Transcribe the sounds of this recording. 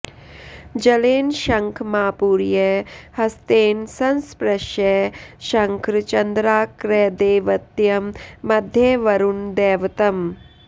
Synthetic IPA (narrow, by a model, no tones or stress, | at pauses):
d͡ʒɐleːnʃɐŋkʰmaːpuːɾjehɐst̪eːnsɐnspɾɐʃjeːʃɐŋkɾɨt͡ʃɐnd̪ɾaːkɾeːd̪eːʋɐt̪jɐmːɐd̪ʱjeʋɐɾund̪eːʋɐt̪ɐm